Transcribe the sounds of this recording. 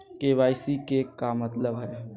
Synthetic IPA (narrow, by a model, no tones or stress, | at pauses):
keʋaːɪsikekːamət̪ləbɦɛː